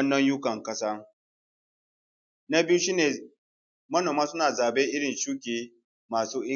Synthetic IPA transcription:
nːɐ˦ɲjʊ˦kɐ˨ŋkɐ˦saː˦ | na˦bi˦ju˦ʃi˦neː˨ | mɐ˦noː˨maː˦sʊ˦naː˨zaː˨beː˦ʔɪ˦ɽɪ˨nʃuː˦kʲeː˨ | maː˨suː˦ʔɪ˦

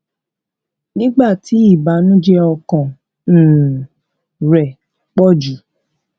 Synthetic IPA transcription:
nĩ˦ɡ͡ba˦˨tʰi˨˦i˦˨ba˨˦nũ˦d͡ʒɛ˦ɔ˧kã˨ | ɾɛ˨ | k͡pɔ˦d͡ʒu˨˦

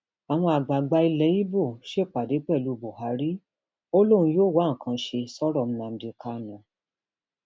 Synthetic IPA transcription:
a˨w̃ɔ̃˧a˨ɡ͡ba˨ɡ͡ba˧i˧lɛ˨˦ji˦bo˦˨ʃe˦˨k͡pa˨de˨˦k͡pɛ˦˨lu˨˦bo˨ɦa˨˦ɾi˦ | o˦lo˦ɾ̃ũ˧˦joː˦˨wa˦ŋ̩˨kʰã˧ʃe˧sɔ˦ɾɔ˦˨m̩˦nã˧m̩˧de˨ka˧nã˨

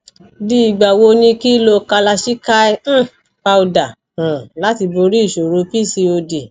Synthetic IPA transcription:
di˧i˨ɡ͡ba˨wo˧nĩ˧ki˦lo˧ka˧la˧ʃi˦ka˦ĩ˦ | pa˧u˧da˨ | ã˨la˦ti˧bo˧ɾi˦˨ʃo˨ɾo˧˦pi˦˨si˧o˧de˨

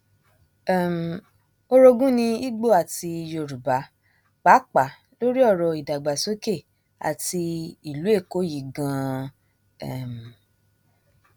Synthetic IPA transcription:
ɛ˨m˨ | o˧ɾo˧ɡũ˦nĩ˧i˦ɡ͡bo˦˨a˨ti˧jo˧ɾu˨ba˨˦ | k͡pa˨˦k͡pa˨˦ | lo˦ɾi˦ɔ˦˨ɾɔ˧˨i˨da˨ɡ͡ba˨so˨˦ke˦˨ | a̰˨ti˧i˨lu˨˦e˦˨ko˨˦ji˨ɡã˧ | ɛ˦˨m˨

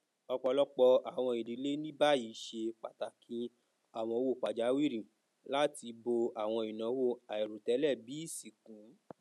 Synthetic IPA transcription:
ɔ˧k͡pɔ˧lɔ˦k͡pɔ˧a˨w̃ɔ̃˧i˨ɾi˨˦le˦nĩ˦ba˦ji˨˧˦ʃe˧k͡pa˨ta˨kʰĩ˧˦ | a˦˨w̃ɔ̃˧o˧wo˦˨k͡pa˨d͡ʒa˨˦wi˦˨ɾĩ˨ | la˦ti˧bo˧a˨w̃ɔ̃˧i˨nã˨˦wo˦˨a˨i˨ɾu˨tɛ˨˦lɛ˦˨bi˨˦si˨kũ˨˦

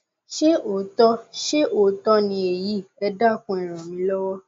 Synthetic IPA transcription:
ʃe˦ʔo˨tɔ˦ʃe˦ʔo˨tɔ˧nĩ˧e˨ji˦˨ɛ˧da˦˨kũ˧ɛ˨ɾ̃ɔ̃˨mĩ˧˦lɔ˦wɔ˦

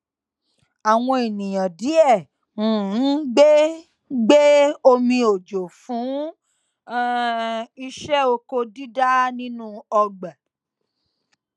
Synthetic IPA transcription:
a˨w̃ɔ̃˧e˨nĩ˨j̃ã˨di˨˦ɛ̃˦˨˦ | ɡ͡be˦ | ɡ͡be˦o˧mĩ˧o˨d͡ʒo˨fũ˨˦ | i˧ʃɛ˦o˧ko˧di˦da˦nĩ˦nũ˦ɔ˧ɡ͡ba˨

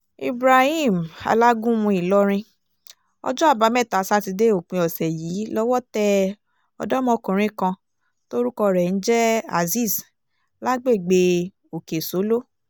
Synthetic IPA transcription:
ḭ˨bɾa˨hi˦˨m˨a̰˧la˦ɡũ˦mũ˧i˨lɔ˦ɾ̃ĩ˧ | ɔ̰˧d͡ʒɔ˦a˦˨ba˨˦mɛ̃˦˨ta˨˦sa˧˦ti˧de˦o˨k͡pĩ˧˦ɔ˨sɛ˨ji˨˦lɔ˦wɔ˦tɛ˦ | ɔ̰˧dɔ˦mɔ̃˧kũ˨ɾ̃ĩ˦kã˧ | to˦ɾu˦kɔ˧ɾɛ˨n̩˦d͡ʒɛ˦a̰˨zi˦˨s | la˦ɡ͡be˦˨ɡ͡be˧ | o˨ke˨so˨˦lo˦

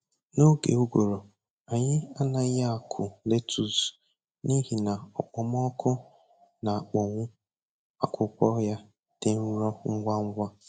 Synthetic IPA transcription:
no˦ɡe˨u˦ɡʷo˨ɾo˨ | a˨ɲɪ˦a˦na˨˦ja˦a˨kʰʊ˨le˦tʰu˨s | ni˦ɦi˨na˨ɔ˨k͡pɔ˨mɔ˦kʰʊ˦ | na˨a˨k͡pɔ˨ŋʷʊ˦ | a˨kʷʰʊ˦kʷɔ˦ja˦ | d̥e˦u˦ɾɔ˦ŋ̩˦ɡʷa˦ŋ̩˦ɡʷa˦

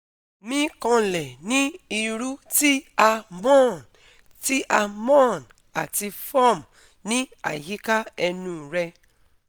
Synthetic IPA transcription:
mĩ˦kɔ̃˧lɛ˨nĩ˦i˧ɾu˦ti˦a˧mɔ̃˦˨n | ti˦ʔa˧mɔ̃˦˨n | a˨ti˧fɔ˦˨m | nĩ˦a̰˨ji˦ka˦ɛ˧nũ˦˨ɾɛ˧

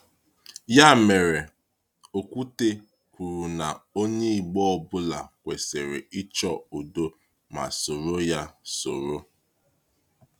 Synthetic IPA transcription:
ja˦˨me˨ɾe˨ | o˨kʷu˦te˦ | kʷu˨ɾu˨na˨o˦ɲe˦i˨ɡ͡bɔ˦ɔ˦˨bʊ˦la˨kʷe˨se˨ɾe˨i˦t͡ʃɔ˦o˨do˦ | ma̰˨so˨ɾo˦ja˦so˨ɾo˦

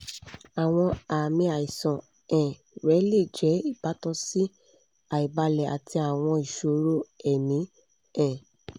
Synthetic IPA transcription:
a˨w̃ɔ̃˧a˨mĩ˧a˨i˨sɔ̃˨ | ɛ̃˨ | ɾɛ˨˦le˦˨d͡ʒɛ˨˦i˦˨ba˨˦tɔ̃˧si˦ | a˨i˨ba˧lɛ˨a̰˨ti˧a˨w̃ɔ̃˧i˨ʃo˨ɾo˦ɛ˨nĩ˨˦ | ɛ̃˨

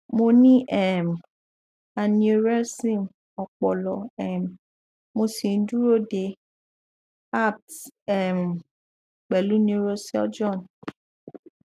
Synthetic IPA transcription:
mo˧nĩ˦ʔɛ˦˨m˨ | a˨nĩ˧˦o˧ɾɛ˦sĩ˦˨m | ɔ˨k͡pɔ˨lɔ˨ɛ˨m˨ | mo˧si˨n̩˦du˦ɾo˦˨de˧ | a˦˨tɛ˦˨m˨ | k͡pɛ˨lu˦nĩ˦o˦ɾo˦sɛ˦d͡ʒɔ̃˦˨n

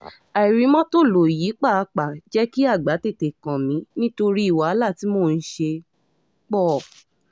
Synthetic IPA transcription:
a˨i˨ɾĩ˨˧mɔ̃˦to˦˨lo˨ji˨˦k͡pa˦˨a˧k͡pa˨d͡ʒɛ˦ki˦a˦˨ɡ͡ba˨˦te˦˨te˨kã˨mĩ˨˦nĩ˦to˧ɾi˦i˦˨wa˨˦la˦˨ti˨˦moː˦˨˧n̩˦ʃe˧ | k͡pɔ˦˨

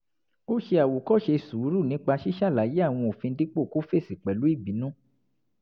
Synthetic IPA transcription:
o˦ʃe˧a˨wo˨kɔ˦˨ʃe˧su˨˦ɾu˦˨nĩ˨˦k͡pa˧ʃi˦ʃa˦˨la˨˦je˦a˦˨w̃ɔ̃˧o˨fĩ˧di˦k͡po˦˨ku˦fe˦˨si˨k͡pɛ˨lu˨˦i˦˨bi˨˦nũ˦

